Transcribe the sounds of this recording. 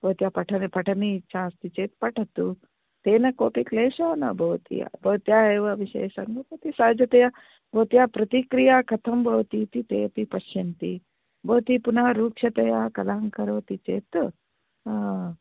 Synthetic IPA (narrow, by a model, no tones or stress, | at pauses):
b̥ɐwt̪japɐʈʰɐnpɐʈʰanit͡ʃʰãst̪it͡ʃeːt̪pɐʈʰat̪u | t̪enɐkoːpikleɕana̰bʱɐwt̪ḭja̰bʱɐwt̪jaeʋɐɐʋiɕḛjsɐ̰ŋɡobot̪isaːd͡ʒɐt̪ɐja | bʱɐt̪ijapɾɐt̪ikɾijakɐt̪ʰɐmbʱɐʋt̪it̪iːt̪epipɐɕjɐnt̪i | bɐwt̪ipunaɾuːkɕɐt̪ɐjakɐlaŋkɐɾoːt̪it͡ʃḛːt̪ | a